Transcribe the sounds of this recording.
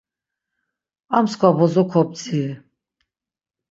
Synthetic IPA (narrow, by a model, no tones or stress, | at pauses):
amskʰwabɔzɔkʰɔp̪̚t͡sʰiɛ